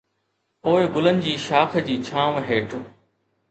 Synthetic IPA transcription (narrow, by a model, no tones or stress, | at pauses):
poːɪɡʊlənɪ̆d͡ʑiːʃaːkʰd͡ʑiːt͡ɕʰãːʋɦeːʈʰʊ